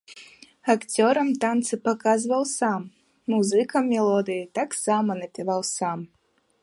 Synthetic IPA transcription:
akt͡sʲɔɾɐmt̪ant̪sɨpakazvɐwsamː | uzɨkɐmːʲɛlˠɔd̪ɨjit̪aksamɐnɐpʲivawsam

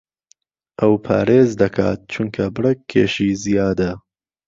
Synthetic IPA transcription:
ʔɐwpʰa̰ːɾeːzd̪ɐkʰa̰ːt̪̚t͡ʃʰuŋkʰɐbɨɾɐkʰːḛːʃiːzijaːd̪ɐ

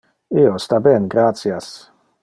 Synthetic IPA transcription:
iost̪abɛnɡɾat̪sjas

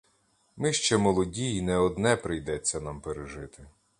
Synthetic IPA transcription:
mɪʃt͡ʃɛmɔlˠɔdʲijinɛɔd̪nɛpɾɪjd̪ɛt͡sʲːɐnampeɾeʒɪt̪ɪ

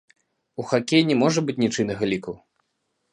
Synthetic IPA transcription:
uxakʲejnʲɛmɔʐɐbɨt͡sʲnʲit͡ʂɨnɐɣalʲikɐw

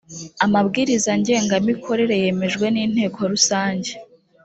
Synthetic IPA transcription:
amabɡiːɾizaɲɟe̞ːŋɡamikʰo̞ɾe̞ɾe̞je̞me̞ʒɡwe̞niːn̥e̞ːkʰo̞ɾusaːɲɟe̞

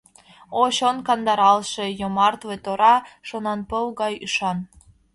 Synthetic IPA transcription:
oɕonkɑnd̪ɑɾɑlˠʃĕjomɑrt̪vet̪oɾɑʃonɑnpɤwɣɑjy̰ʃɑn

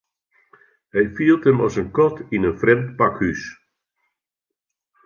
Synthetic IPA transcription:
hɛjfiəlˠtəmɔsənkɔtinənfrɛmtpakhys

